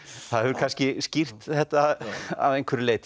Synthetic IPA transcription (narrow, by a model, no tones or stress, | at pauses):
θaðɛvʏɾkʰanscɪscir̥t̪θɛht̪aða̰ðejŋkʰvɛɾɪleːjt̪